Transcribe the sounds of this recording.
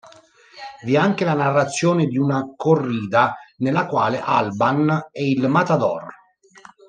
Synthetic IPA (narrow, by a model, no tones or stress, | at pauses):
viɛaŋkelanarːat̪sːjoːned̪iunakorːiːd̪anelːakwaːleʔa̰lbanɛilmat̪ad̪ɔ̰r